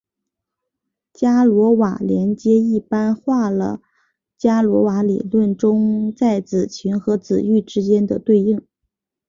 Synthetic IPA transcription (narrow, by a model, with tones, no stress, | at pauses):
t͡ɕja˥lwɔ˧˥wa˨˩ljɛ˧˥nt͡ɕjɛ˥i˥˩pa˥nxwa˥˩lə̰˩ | t͡ɕja˥lwɔ˧˥wa˧˥lḭ˨˩lwə˥˩nʈ͡ʂʊ˥ŋt͡sa˥˩ɪt͡sɹ̩˨˩t͡ɕʰy˧˥nxɤ˧˥t͡sɹ̩˨˩y˥˩ʈ͡ʂɻ̩˥t͡ɕjɛ˥nd̪ə˨t̪we˥˧ɪi˥˩ŋ